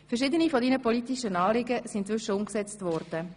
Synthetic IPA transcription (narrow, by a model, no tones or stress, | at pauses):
fɛʃɪdənifɔdiːnəpɔlitiʃənɑːlɪɡəsintt͡sʋʏʃəʊmksɛt͡stvɔːɾd̥ə